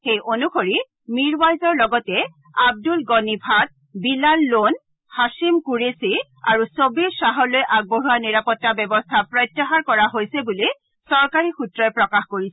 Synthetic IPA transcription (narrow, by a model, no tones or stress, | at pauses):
xejʔonuxoɹi | miɹbajzɔɹlɔɡɔtɛ | ab̚dulɡɔnibʱad̚ | bilalːon | hasimkuɹesi | aɹusobiɹsaɦɔlojʔaɡ̚boɦuwaniɹapɔtːabɛbɔstʰapɹɔjtːaɦaɹkɔɹaɦojsɛbuli | sɔɹkaɹixutɹɔjpɹɔkaxkoɹisɛ